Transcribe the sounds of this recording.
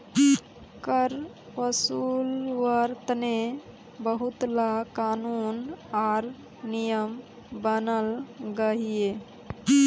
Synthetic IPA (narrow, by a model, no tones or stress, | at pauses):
kəɾ | ʋəsuːlʋəɾt̪ne | bəɦʊt̪lakaːnuːnaːɾ | nijəm | bənəlɡəɦijeː